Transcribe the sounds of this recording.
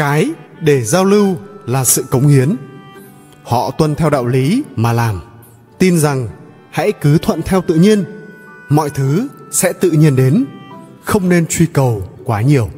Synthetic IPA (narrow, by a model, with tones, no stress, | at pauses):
kaː˨˦jɗe˧˩zaː˧wlɨ˧wlaː˨˩sɨ̰˧˨kə˨˦wŋ͡mhi˨˦ən | hɔ̰˧˨t̪wə˧nt̪ʰɛ˧wɗa̰ː˧˨wli˨˦maː˨˩laː˨˩m | t̪i˧nza˨˩ŋ | ha̰˧˥jkɨ˨˦t̪ʰwə̰˧˨nt̪ʰɛ˧wt̪ɨ̰˧˨ɲi˧ən | mɔ̰˧˨jt̪ʰɨ˨˦sɛ̰˧˥t̪ɨ̰˧˨ɲi˧ənɗe˨˦nxə˧wŋ͡mne˧nt͡ɕwi˧kə˨˩wkwaː˨˦ɲi˨˩əw